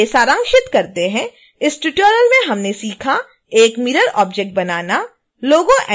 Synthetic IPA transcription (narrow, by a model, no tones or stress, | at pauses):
esaːɾə̃ŋkʃɪt̪kɐɾt̪eɦɛ̃ | ɪsʈʊʈoːɾjəlmẽɦɐmnesiːkʰa | eːkmiːɾəɾɔːp̚d͡ʒɛk̚ʈ̚bɐnaːna | loːɡõʔɛ